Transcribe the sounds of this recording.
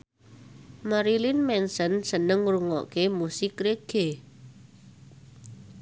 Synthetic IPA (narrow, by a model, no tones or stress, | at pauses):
maɾilinmɛnsənsənəŋɾuŋɔ̰ʔkemusɪkɾeɡ̥e